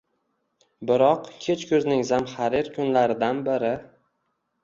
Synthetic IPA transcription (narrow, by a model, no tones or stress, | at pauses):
bɪɾɒqkʲʰe̞t͡ʃkʰʲɵznɪŋzamχaɾɪɾkʰʊnlaɾɪd̪anbɪɾɪ